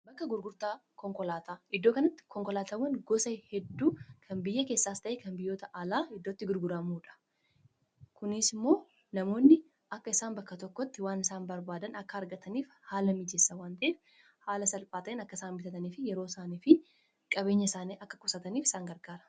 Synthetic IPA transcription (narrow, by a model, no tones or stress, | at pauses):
bɐkːɐɡʊɾɡʊɾt̪aːkɔŋkɔlaːt̪aːɪd̪ːo̞ːkɐnɐt̪ːɪ̥kɔŋkɔlaːt̪aːwɐnɡɔsɐhɛd̪ːuːkʰɐnbɪjːɐke̞ːsːaːst̪ɐʔeːkɐnbɪjːo̞ːt̪ɐʔɐlaːhɪd̪ːoːt̪ːɪɡʊɾɡʊɾɐmuːᶑɐ̥ | kʊnɪsɪmːo̞ː | nɐmo̞ːnːɪ | ɐkːɐɪsaːnbɐkːɐt̪ɔkːɔt̪ːɪwaːnɪsaːnbɐɾbaːd̪ɐnɐkːɐːɾɡɐt̪ɐniːf | haːlɐmid͡ʒɛsːɐwaːnt̪ɐʔeːf | haːlɐsɐlpʼaːt̪ɐʔeːnɐkːɐɪsaːnbɪt̪ɐt̪ɐniːfɪjɛɾo̞ːsaːniːfɪ | kʼɐbe̞ːɲːɐɪsaːniːʔɐkːɐkʊsɐt̪ɐniːfɪ̥saːŋɡɐɾɡaːɾɐ̥